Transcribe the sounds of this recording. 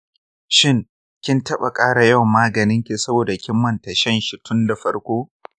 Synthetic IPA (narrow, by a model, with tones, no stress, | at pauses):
ʃɪ˦ŋ | kʲɪ˦ntɐ˦ɓa̰˨kʼaː˦ɽa˨jɐ˦wmːaː˦ɡɐ˨nɪ˦ŋkʲi˨sɐ˦boː˨da˨kʲɪ˦mːɐ˨ntɐ˨ʃɛ˦˨nʃi˨tʰʊ˦nda˨ɸɐ˦ɽkʷoː˦